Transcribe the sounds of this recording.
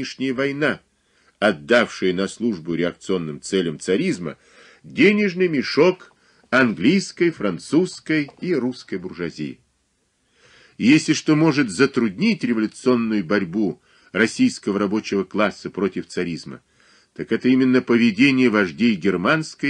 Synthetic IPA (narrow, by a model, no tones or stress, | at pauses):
ɪʂnʲɪjəvɐjna | ɐd̪ːafʂɨjənɐslˠuʐbʊɾʲɪɐk̚t̪sɨo̞nːɨmt̪sɛlʲəmt̪sɐɾʲizmə̰ | dʲenʲɪʐnɨjmʲɪʂo̞k | ɐnɡlʲijskəjfɾɐnt̪suskəjiruskəjbʊrʐɐzʲḭjɪ̰ | jesʲlʲɪʂt̪o̞mo̞ʐɨt̪zət̪ɾʊdʲnʲitʲrʲɪvəlʲʊt̪sɨo̞nːʊjʊbɐɾʲbu | rɐsʲijskəvəɾɐbo̞t͡ɕɪvəklˠasːəpɾo̞tʲɪft̪sɐɾʲizmə̰ | t̪akɛt̪əimʲɪnːəpəvʲɪdʲenʲɪjəvɐʐdʲejɡʲɪrmanskəj